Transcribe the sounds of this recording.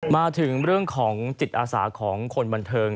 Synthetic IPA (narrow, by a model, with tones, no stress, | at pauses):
maː˧t̪ʰɯ˩˦ŋɾɯ˥˩əŋkʰɔː˩˦ŋsi˨˩t̪̚ʔaː˧sa̰ː˩˦kʰɔː˩˦ŋkʰo˧nba˧nt̪ʰɤː˧ŋ